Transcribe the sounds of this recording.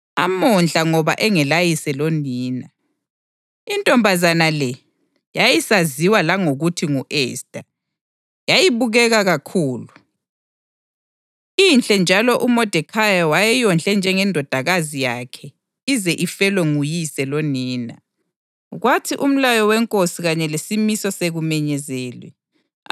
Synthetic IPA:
amɔnɬaŋɔβa̰ʔɛŋɛlajisɛloniːna | intʼɔmbʱazanalɛ | jajisaziwalaŋoɣutʰiŋuʔɛːstʼa | jajiβuɣɛɣaɣakʰuːlu | inɬʼɛnd͡ʒʱalɔʔumɔd̥ʱɛkʰajawajɛjɔnt͡ɬʼɛnd͡ʒʱɛŋɛndʱɔd̥ʱaɣazijakʰɛ | izɛʔifɛlweŋujisɛloniːna | ɣwatʰiʔum̩lajɔwɛŋkʼosiɣaɲɛlesimisɔseɣumɛɲɛzɛːlwɛ̰

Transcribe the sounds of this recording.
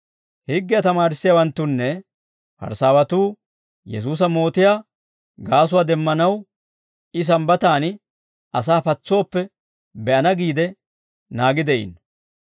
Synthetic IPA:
hɪɡːɪjɐt̪ɐmaːɾɪsːɪjawɐnt̪ːʊnːɛ | pɐ̰ɾsaːwɐt̪uː | jɛs̬uːs̬ɐmo̞ːt̪ɪjaː | ɡaːs̬ʊwaːd̪ɛmːɐnɐw | ɪs̬ɐmbɐt̪aːn | ʔɐsaːpɐt͡sːo̞ːpːɛ | bɛʔɐnɐɡiːd̪ɛ | naːɡɪd̪ɛʔḭn

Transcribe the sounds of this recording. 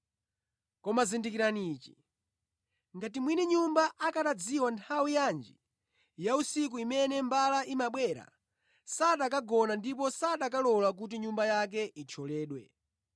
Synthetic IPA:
kɔmazindikiɾaniːt͡ʃi | ŋɡatimwinɛɲumbaʔakaɗad͡ziwantʰawijand͡ʒi | jausik̬uimɛnɛmbalaʔimaɓwɛɾa̰ | saɗakaɡɔnandip̬ɔsaɗak̬alɔlak̬ut̬iɲumbajak̬ɛʔit͡ʃʰɔlɛːɗwɛ̰

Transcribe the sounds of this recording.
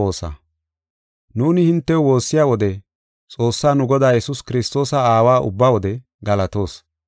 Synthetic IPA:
oːsɐ̰ | nuːnɪhɪnt̪ːɛwwo̞ːsːɪjaːwɔd̪ɛ | t͡sʼo̞ːsːaːnʊɡɔd̪aːjɛsʊskɪɾɪst̪o̞ːsɐaːwaːʔʊ̰bːaːwɔd̪ɛ | ɡɐlɐt̪o̞ːs

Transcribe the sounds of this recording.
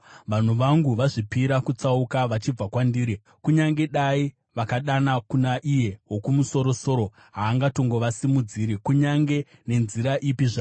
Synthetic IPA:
ʋan̤uʋaŋɡuʋaʐipiɾakut͡saukaʋat͡ʃib͡vakwandiːɾi | kuɲaŋɡe̞ɗai | ʋakaɗanakunaʔije̞wo̞kumuso̞ɾo̞so̞ɾo̞ | ɦaːŋɡato̞ŋɡo̞ʋasimud͡ziːɾikuɲaŋɡe̞ne̞nziɾaʔipiʐa

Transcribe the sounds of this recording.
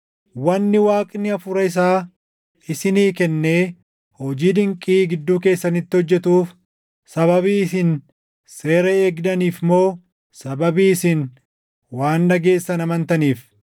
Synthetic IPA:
wɐnːɪwaːkʼnɪɐfʊɾɐɪs̬aː | ɪsɪniːkɛnːe̞ː | hɔd͡ʒiːd̪ɪŋkʼiːɡɪd̪ːuːke̞ːsːɐnɪt̪ːɪɔd͡ʒːɛt̪uːf | sɐβɐβiːɪsɪn | se̞ːɾɐeːɡd̪ɐniːfmo̞ː | sɐbɐbiːɪsin | waːnːɐɡe̞ːsːɐnɐmɐnt̪ɐniːf

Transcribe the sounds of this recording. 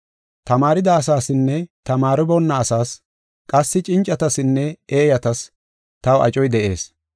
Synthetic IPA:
t̪ɐmaːɾɪd̪ɐːsaːsɪnːɛt̪ɐmaːɾɪbɔnːɐːsaːs | kʼɐsːɪt͡ʃʼɪnt͡ʃʼːɐt̪ɐsɪnːɛeːjɐt̪ɐs | t̪ɐwɐ̰t͡ʃʼɔjd̪ɛʔe̞̰ːs

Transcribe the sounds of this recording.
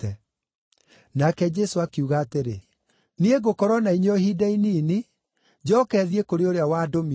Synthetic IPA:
ɛ | nakɛd͡ʑɛsoakiuɣaːteɾe | nieɣokɔɾwɔnaiɲɔhiːdainiːne | d͡ʑɔːkɛːðiekoɾeoɾeawadomi

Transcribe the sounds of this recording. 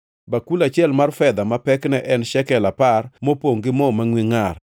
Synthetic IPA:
bakulat͡ʃɪɛlmarfɛd̪amapɛknɛʔɛnʃɛkɛlaparmopoŋɡɪmɔmaŋwiŋar

